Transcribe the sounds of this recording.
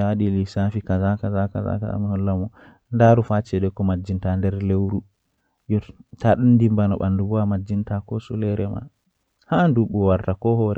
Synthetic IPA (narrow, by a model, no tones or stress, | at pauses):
aɗilisafikazakazakaza̰ka̰za̰mihɔlːamɔ | ndaɾufat͡ʃɛɗɛkːɔmad͡ʒːintandɛɾlewɾu | jɔtaɗundimbanɔɓa̰ndubuamad͡ʒːintakɔsulɛɾɛma̰ | handuɓːuwaɾtakɔhɔɾɛ